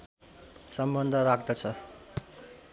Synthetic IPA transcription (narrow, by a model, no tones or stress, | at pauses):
sʌmbʌnd̪ʱʌɾakʰd̪ʌt͡sʰʌ